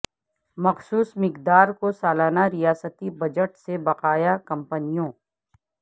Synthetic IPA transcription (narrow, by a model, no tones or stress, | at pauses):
mɐxsuːsmɪqd̪aːɾkosaːlaːnaɾijaːsət̪ibɐd͡ʒəʈsebɐqaːjakɐ̃mpənijõː